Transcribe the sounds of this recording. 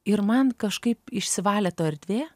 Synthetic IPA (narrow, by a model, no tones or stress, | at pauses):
ɪɾmɐnkɐʃkɐɪpɪʃʲsʲɪʋɑːlʲɛt̪oːɐɾʲd̪ʲʋʲeː